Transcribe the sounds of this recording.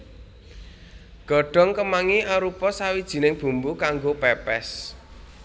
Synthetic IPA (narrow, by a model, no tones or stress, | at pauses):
ɡ̥ɔ̤ɖ̥ɔ̤ŋkəmaŋiʔaɾupɔsawid̥ʒ̥i̤nɪŋb̥ṳmbukaŋɡopɛpɛs